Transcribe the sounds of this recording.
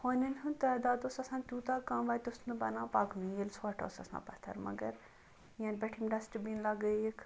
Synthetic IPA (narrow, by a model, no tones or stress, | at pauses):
hoːninʲɦũnt̪ɐːd̪aːd̪oːsɐsãːnt̪ʲuːt̪aːkamʋaːt̪ʊsnɨbɐ̰nãːpaːknĩɡelʲsoɐʈo̰ːsɐsã̰ːpɐt̪ʰɐ̰ɾmɐ̰ɡɐɾ | jãːnbɛʈʰimɖɐsʈbiːnlɐɡəjek